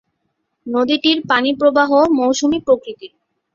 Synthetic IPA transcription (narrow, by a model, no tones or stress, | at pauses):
nod̪iʈiɾpanipɾobaɦomowʃumipɾokɾit̪i